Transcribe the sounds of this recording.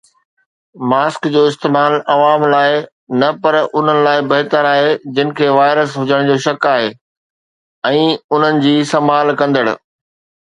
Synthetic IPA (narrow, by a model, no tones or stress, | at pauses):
maːskd͡ʑoːɪst̪eːmaːlɐʋaːmlaːɪ | nɐpɐɾʊn̤ənɪ̆laːɪbɐɦt̪əɾaːɦed͡ʑɪnɪ̆kʰeːʋaːɪɾəsɦʊd͡ʑəɽ̃d͡ʑoːʃɐkaːɦeː | ɛ̃ːʊn̤ənɪ̆d͡ʑiːsɐ̃mbʱaːlkɐ̃nd̪əɽʊ̰̆